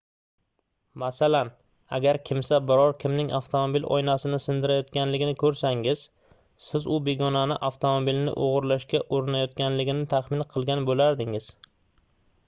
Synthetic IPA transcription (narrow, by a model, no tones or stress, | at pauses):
masalan | a̰ɡʲaɾkʲʰɪmsabɪɾɒɾkʲɪmnɪŋaft̪ʰomobilɒ̰jnasɪnɪsɪnd̪ɪɾajɒt̪kʲanlɪɡʲɪnɪkʰɵɾsaŋɪz̥ | sɪzʊbe̞ɡɒnanɪʔaft̪ʰomobilnɪ̰ʔoʁɨɾlaʃkʲaʔoɾɪnajɒt̪kʲanlɪɡʲɪnɪt̪ʰaχmɪnqʰɨlˠɡʲanbolaɾd̪ɪŋɪz̥